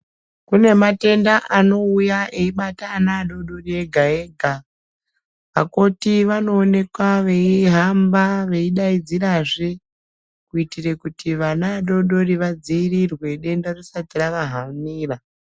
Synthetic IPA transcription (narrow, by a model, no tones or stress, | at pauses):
kune̞mate̞ndaʔano̞ujaʔe̞iɓataːnaɗo̞ɗo̞rie̞ɡʱae̞ːɡʱa | ʋako̞tiʋano̞ːne̞kwaʋe̞iɦambaʋe̞iɗaid͡ziɾaʐe̞ | kuitire̞kutʰiʋanaɗo̞ɗo̞riʋad͡ziirirwe̞ɗe̞ndarosatiraʋaɦamiːra